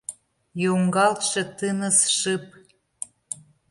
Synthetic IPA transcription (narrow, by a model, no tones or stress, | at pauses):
joŋɡɑlt̪ʃɤ̆t̪ɨnə̆sʃɨp̚